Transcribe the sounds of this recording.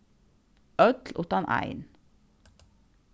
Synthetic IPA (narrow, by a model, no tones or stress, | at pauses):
œt̪ʰl̩ʔʊt̪ɑnʔæ̰ɪn